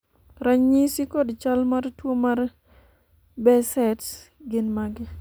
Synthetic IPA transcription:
ɾaɲɲisikɔdt͡ʃalmartwomar | bɛsɛtɡɪnmaɡɪ

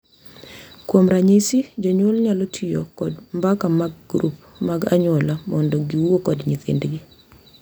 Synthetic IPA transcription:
kwomɾaɲisid͡ʒɔɲolɲalotʰijo̰kɔdmbakamaɡ̚ɡɾup | maɡa̰ɲʊɔlamɔndɔɡiwokɔdɲit̪ɪ̰ndɡɪ

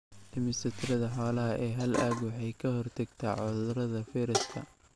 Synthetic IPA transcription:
d̥ɪmɪsɪt̪ʰrɐðɐħɔːlɐɦɐʔɛːɦɐlʔaːɡwɑħɑjkʰɐɦɔrt̪ʰɐɡt̪ʰaːʕʊðʊɾɐðɐfiːɾɪskʰɐ̰

